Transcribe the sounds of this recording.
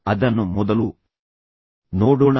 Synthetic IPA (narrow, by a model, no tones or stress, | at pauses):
ɐd̪ɐnːumɔd̪ɐlu | noːɽuɳ